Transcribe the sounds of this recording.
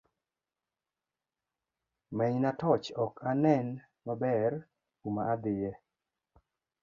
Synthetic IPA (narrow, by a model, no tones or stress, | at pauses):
mɛnatɔt͡ʃɔkanɛn | mabɛr | umaːd̪ɪjɛ